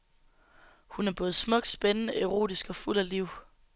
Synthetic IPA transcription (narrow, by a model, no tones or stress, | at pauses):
hunæɐb̥ɔ̽ːð̞̩ˠsmɔ̽ɡ̥̚sb̥enənəʔe̝ʁo̝̰ːd̥isɡ̥ɒ̽ful̰æliʊ̰